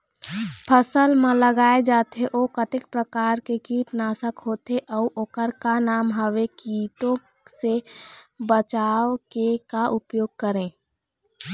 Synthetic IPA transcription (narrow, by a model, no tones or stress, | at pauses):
pʰəsəlmẽləɡaːed͡ʒaːt̪ɦeʔoːkət̪ɪk̚pɾəkaːɾkekiːʈnasəkɦoːt̪eʔəuʔoːkəɾkanaːmɦəʋekiʈõ | se | bət͡ʃaːʋkekaʔʊpjoːɡ̚kəɾẽː